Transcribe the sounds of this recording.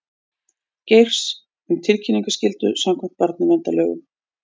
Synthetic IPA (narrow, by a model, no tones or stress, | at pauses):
cejr̥s | ʏmt̪ʰɪlcʰiniŋkʏscɪlt̪ʏsamkʰɛm̥t̪̚paɾt̪nɪvɛnt̪alœ̰ːɣʏ̰m